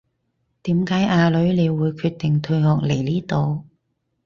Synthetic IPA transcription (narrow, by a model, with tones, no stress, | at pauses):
t̪iː˨˥mkaː˨˥jʔaː˧lɵ˨˥ɥle˨˧jwuː˨˧jkʰyː˧t̚t̪ɪ˨˩ŋt̪ʰɵ˧ɥŋɔː˨k̚le˨˩jliː˥t̪o˨˧w